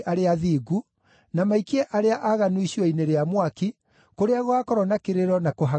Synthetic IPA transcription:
ʔaɾeaðiːɡu | namaikiɛʔaɾeaʔaɣanuiɕiɔineɾeamwaki | koɾeaɣwakɔɾɔnakeɾeɾɔnakoɦa

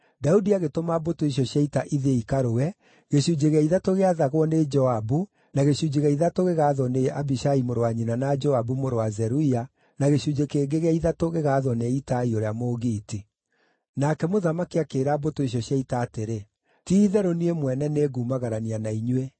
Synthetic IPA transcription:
daudiaɣetomabotoiɕɔɕjaitaʔiðeikaɾoɛ | ɣeɕud͡ʒeɣɛiðatoɣeaðaɣwɔned͡ʒɔabu | naɣeɕud͡ʑeɣɛiðatoɣeɣaːðɔneʔabiʃaimoɾowaɲinanad͡ʒɔabumoɾowazɛɾuia | naɣeɕud͡ʑekeːɡeɣɛiðatoɣeɣaðɔneitaioɾeamoɣiːti | nakɛmoðamakiakeɾabotoiɕ̬jɔɕjaitaːteɾe | tiːðɛɾoniemwɛnɛneɡumaɣaɾanianaiɲwe

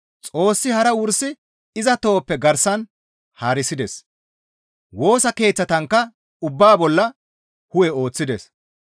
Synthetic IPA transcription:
t͡sʼo̞ːsːɪhɐɾɐwʊɾsɪ | ɪzɐt̪o̞ːpːɛɡɐɾsɐn | haːɾɪsɪd̪ɛs | wo̞ːsɐke̞ːt͡sːɐt̪ɐŋkːɐ | ʊbːaːbɔlːɐ | hʊwɛo̞ːt͡sːɪd̪ɛ̰s

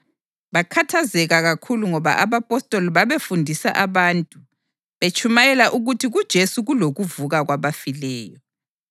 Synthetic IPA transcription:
βakʰatʰazɛɣaɣakʰuluŋɔβa̰ʔaβapʼɔstʼɔlβaβefundʱisa̰ʔaβaːntʼu | βet͡ʃʼumajɛlaʔuɣutʰiɣud̥ʒ̥ʱesuɣuloɣuvuɣaɣwaβafilɛːjɔ

